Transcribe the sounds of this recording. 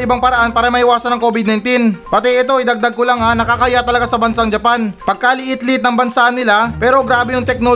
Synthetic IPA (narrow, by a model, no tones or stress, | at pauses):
ɪbaŋpɐɾɐʔanpaːɾɐmɐhɪwaːsɐnɐŋko̞ːbɪd̪nɐjnt̪inpɐt̪ɛʔɛt̪o̞ʔɐjd̪ɐɡ̚d̪aɡ̚kʊlaŋanɐkakɐjat̪ɐlɐɡasɐbɐnsaŋd͡ʒɐpanpɐɡ̚kalɪʔɪt̪lɪt̪̚nɐŋbɐnsanɪlapɛːɾo̞ɡɾaːbɛjʊŋt̪ɛk̚no